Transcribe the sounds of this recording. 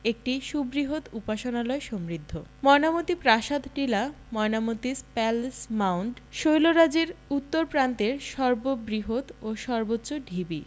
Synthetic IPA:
ek̚ʈiʃubɾiɦot̪upaʃonalɔeʃɔmɾid̪ʱːomɔenamot̪ipɾaʃad̪ʈila | mɔenamot̪ispɛlsmawɳɖʃojloɾad͡ʑeɾut̪ːoɾpɾant̪eɾʃɔɾbobɾiɦot̪oʃɔɾbotːɕːoɖʱibi

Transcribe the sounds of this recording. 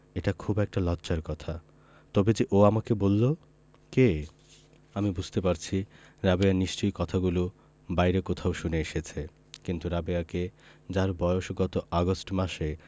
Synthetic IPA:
eʈakʰubɛk̚ʈalɔtːɕaɾkɔt̪ʰa | t̪ɔbed͡ʑeʔoamakebolːo | ke | amibud͡ʑʱt̪epaɾt͡ɕʰi | ɾabeaniʃt͡ɕojkɔt̪ʰaɡulo | bajɾekot̪ʰaoʃuneeʃet͡ɕʰe | kint̪uɾabeaked͡ʑaɾbɔeoʃɡɔt̪oʔaɡosʈmaʃe

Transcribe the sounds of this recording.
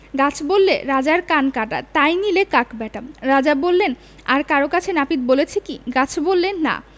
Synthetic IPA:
ɡat͡ɕʰbolːeɾad͡ʑaɾkankaʈa̰t̪ajnilekakbɛʈamɾad͡ʑabolːen | aɾkaɾokat͡ɕʰenapit̪̚bolet͡ɕʰekiɡat͡ɕʰbolːenːa̰

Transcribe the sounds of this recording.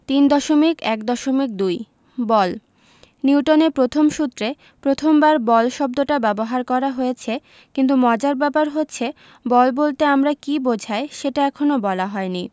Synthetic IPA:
t̪ind̪ɔʃomikɛkd̪ɔʃomik̚d̪uj | bɔl | niwʈonepɾot̪ʰomʃut̪ːɾe | pɾot̪ʰombaɾbɔlʃɔb̚d̪oʈabɛboɦaɾkɔɾaɦojet͡ɕʰe | kint̪̬umɔd͡ʑaɾbɛpaɾɦotːɕʰe | bɔlbolt̪eamɾakibod͡ʑʱaeʃeʈaɛkʰonobɔlaɦɔeni

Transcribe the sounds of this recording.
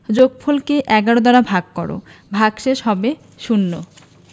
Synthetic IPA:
d͡ʑoɡ̚pʰolkeʔɛɡaɽod̪aɾabʱaɡ̚kɔ̰ɽo̰bʱaɡʃeʃɦɔbe | ʃunːo̰

